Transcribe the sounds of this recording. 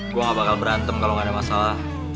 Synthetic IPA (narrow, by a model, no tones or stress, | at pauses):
ɡuaŋabakalbəɾant̪əmkaloŋadamasalah